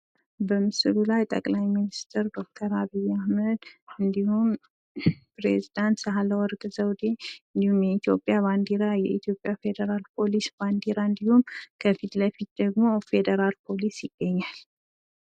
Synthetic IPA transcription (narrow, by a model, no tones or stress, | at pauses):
bəmɨsɨlulajt̪ʼə̰kʼlajminist̪ʰɨɾd̪o̞k̚t̪ʰəɾaβijːahməd̪ɨnd̪ihum | pɾezid̪ant̪səɦaləwɔɾɡʼzəwd̪e̞ɨnd̪ihumjɛit̪ʰjo̞pʼːjaβand̪iɾajɛʔit̪ʰjo̞pʼjafe̞d̪əɾalpʰo̞lisb̥and̪iɾaɨnd̪ihumkʰəfit̪ləfit̪̚d̪̥əɡmo̞fe̞d̪əɾalpʰo̞lisjɪɡːəɲːal